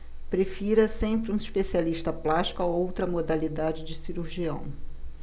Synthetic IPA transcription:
pɾefiɾɐsẽmpɾɪũiʃpesialiʃt̪ɐplaʃt͡ʃi̥kʊaowt̪ɾɐmod̪alid̪ad͡ʒɪd͡ʒɪsiɾuɾʒiɐ̰̃w̃

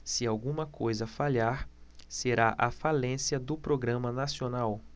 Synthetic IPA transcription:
sɪawɡũmɐkojzɐfaʎaɾseɾaʔɐfalẽsjɐd̪ʊpɾoɡɾɐ̃mɐnasionaw

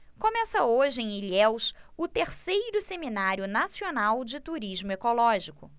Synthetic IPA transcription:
kõmɛsɐoʒɪẽj̃iliɛwsʊt̪eɾsejɾʊseminaɾjʊnasionawd͡ʒɪt̪uɾiʒmʊekolɔʒikʊ

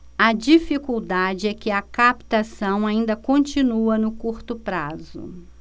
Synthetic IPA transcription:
ɐd͡ʒifikuwd̪ad͡ʒɪɛkɪɐkapt̪asɐ̃w̃aĩnd̪ɐkõnt͡ʃĩnuɐnʊkuɾt̪ʊpɾazʊ̰

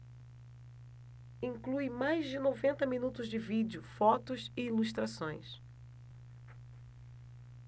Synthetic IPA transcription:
ĩŋkluɪmajzd͡ʒɪnovẽnt̪ɐminut̪ʊzd͡ʒɪvid͡ʒjʊfɔt̪ʊsɪiluʃt̪ɾasõj̃s

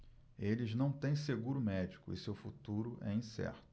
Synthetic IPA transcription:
elɪznɐ̃w̃t̪ẽj̃seɡuɾʊmɛd͡ʒikʊɪsewfut̪uɾʊʔɛĩsɛ̰ɾt̪ʊ̥

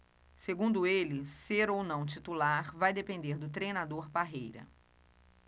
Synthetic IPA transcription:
seɡũnd̪ʊelɪseɾownɐ̃w̃t͡ʃit̪ulaɾvajd̪epẽnd̪eɾd̪ʊt̪̬ɾejnad̪oɾbaɦejɾɐ̰

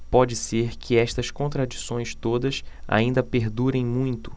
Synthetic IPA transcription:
pɔd͡ʒɪseɾkʰɪɛʃt̪ɐskõnt̪ɾad͡ʒisõj̃st̪od̪ɐsa̰ĩnd̪ɐpeɾd̪uɾẽj̃mũj̃t̪ʊ̥

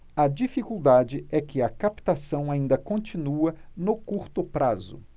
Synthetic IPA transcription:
ɐd͡ʒifikuwd̪ad͡ʒɪɛkɪɐkapt̪asɐ̃w̃aĩnd̪ɐkõt͡ʃĩnuɐnʊkuɾt̪ʊpɾazʊ̰

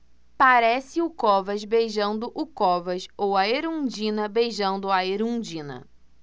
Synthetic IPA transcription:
paɾɛsɪʊkɔvɐzbejʒɐ̃nd̪ʊʔʊkɔvɐʃowɐeɾũd͡ʒĩnɐbejʒɐ̃nd̪ʊaeɾũd͡ʒĩnɐ̰

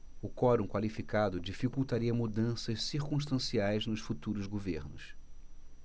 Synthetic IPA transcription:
ʊkɔɾũkwalifikad̪ʊd͡ʒifikuwt̪aɾiɐmud̪ɐ̃sɐʃsiɾkũʃt̪ɐ̃siajznʊʃfut̪uɾʊzɡoveɾnʊs

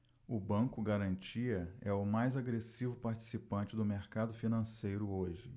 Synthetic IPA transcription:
ʊbɐ̃kʊɡaɾɐ̃nt͡ʃiɐɛʊmajzaɡɾesivʊpaɾt͡ʃi̥sipɐ̃t͡ʃɪd̪ʊmeɾkad̪ʊfinɐ̃sejɾʊoʒɪ

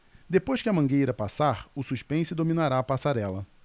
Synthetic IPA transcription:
d̪epojʃkɪɐmɐ̃ŋɡejɾɐpasaɾʊsuʃpẽsʊd̪ominaɾaːpasaɾɛlɐ

